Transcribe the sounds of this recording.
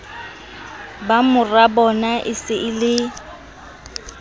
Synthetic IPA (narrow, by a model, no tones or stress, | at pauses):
bamʊrabɔnaʔɪsɪʔɪlɪ